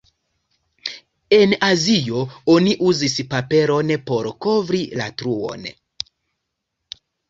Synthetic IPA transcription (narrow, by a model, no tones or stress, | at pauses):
e̞nazio̞o̞niʔuzispape̞ɾo̞npo̞ɾko̞vɾila̰tɾuo̞̰n